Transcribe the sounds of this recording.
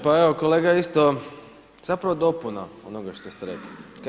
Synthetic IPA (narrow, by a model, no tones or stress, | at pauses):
paeokoleːɡaist̪o | z̥apɾaʋod̪o̞punaonoɡaʃt̪ost̪eɾeklik